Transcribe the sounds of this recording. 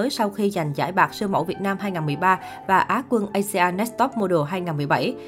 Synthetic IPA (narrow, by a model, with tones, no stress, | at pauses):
əː˨˦jsa˧wxi˧za˨˩jŋ̟zaː˧˩jɓaː˨˩k̚sɨ˧əmo̰˧˥˩wvi˨˩ət̚naː˧mɦaː˧jŋaː˨˩nmɨ˨˩əjɓaː˧ | vaː˨˩ʔaː˨˦kwə˧nʔə˧jse˧ʔaː˧nɛ˦˥t̚t̪ɔ˦˥p̚mo˧˩ɗo˨˩ɦaː˧jŋaː˨˩nmɨ˨˩əjɓa˧˩j